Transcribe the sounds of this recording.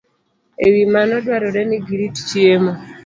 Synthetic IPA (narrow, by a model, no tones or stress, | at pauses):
ewimanɔdwaɾɔɾɛniɡiɾitt͡ʃiemo